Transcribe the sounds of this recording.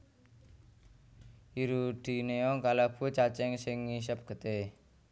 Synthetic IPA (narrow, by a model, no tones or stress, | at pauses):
iɾud̪̥i̤neɔŋkalab̥ṳt͡ʃat͡ʃɛŋsɪŋːis̬əp̚ɡ̥ə̤t̪e